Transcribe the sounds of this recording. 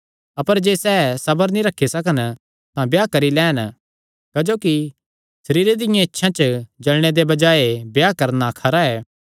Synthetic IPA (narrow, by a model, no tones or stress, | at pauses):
ɐpəɾd͡ʒeːsɛːsɐbəɾnĩɾɐkʰːisɐkən | t̪ãbjaːkɐɾilɛ̃ːn | kɐd͡ʒoːki | sɐɾiːɾed̪ɪjãɪtːʃʰãt͡ʃd͡ʒɐlɽ̃ed̪ebɐd͡ʒaːebjaːkɐɾnakʰɐɾaɛː